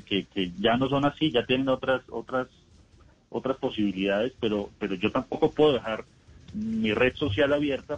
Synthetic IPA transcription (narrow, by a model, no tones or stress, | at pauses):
keke̞ʝano̞s̬o̞nasiʝat̪je̞ne̞no̞t̪ɾaso̞̰t̪ɾas | o̞̰t̪ɾaspo̞siβ̞iliðaðe̞spe̞ɾo̞pe̞ɾo̞ʝo̞t̪ampo̞ko̞pweðoðexaɾ | mire̞ðso̞sjalaβje̞ɾt̪a